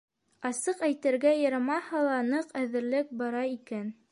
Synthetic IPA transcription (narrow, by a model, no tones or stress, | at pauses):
ɑsɤqæjt̪ɘ̆ɾɡæjɤ̆ɾmɑhɑlˠɑnɤqæðɘ̆ɾlɘk̚bɑɾɑikæn